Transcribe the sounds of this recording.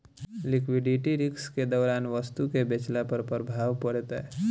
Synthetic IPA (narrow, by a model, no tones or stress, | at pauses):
lɪkʋɪɖiʈiɾɪksked̪ɔːɾaːnʋəst̪ukebet͡ʃlapəɾpɾbʱaːʋpəɽt̪ɛː